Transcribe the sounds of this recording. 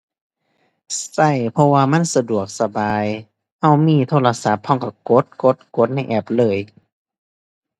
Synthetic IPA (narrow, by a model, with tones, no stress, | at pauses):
sa˧˩jpʰɔ˧waː˧ma˧˥˨nsa˧du˨˩ək̚sa˧baː˨˧j | ha˧˩wmiː˧˩˨t̪ʰoː˧˩˨la˧sa˨˦p̚ʰːɔ˧˥˨ŋka˧˩ko˧˦t̪̚ko˧˦t̪̚ko˧˦t̪̚na˧˥˩jʔɛː˧˩p̚lɤː˧˩j